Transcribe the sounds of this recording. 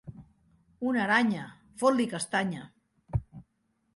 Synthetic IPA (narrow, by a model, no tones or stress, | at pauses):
unaɾaɲa | folikast̪aɲa